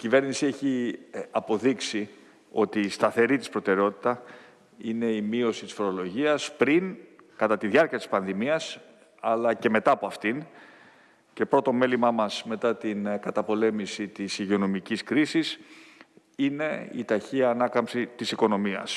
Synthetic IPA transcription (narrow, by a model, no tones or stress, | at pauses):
icive̞ɾnisie̞çiɐpo̞ðiksi | o̞t̪iːst̪ɐθe̞ɾit̪i̥spɾo̞t̪e̞ɾeo̞t̪i̥t̪ɐ | ine̞imio̞sit̪i̥sfo̞ɾolo̞ʝiɐspɾin | kɐt̪ɐt̪iðjɐɾciɐt̪ispɐnðimiɐs | ɐlɐce̞me̞t̪ɐːpo̞ɐft̪in | ce̞pɾo̞t̪o̞me̞limɐmɐsme̞t̪ɐt̪inkɐt̪ɐpo̞le̞misit̪isiʝio̞no̞miciskɾisis | ine̞ḭt̪ɐçiɐːnɐkɐmsit̪isiko̞no̞miɐ̰s